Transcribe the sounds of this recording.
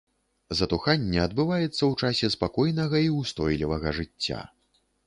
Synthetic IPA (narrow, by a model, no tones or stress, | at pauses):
zɐt̪uxanʲːɛɐd̪̚bɨvajɛt̪sːɐwt͡ʂasʲɛspakɔjnɐɣɐiust̪ɔjlʲivɐɣɐʐɨt͡sʲːa̰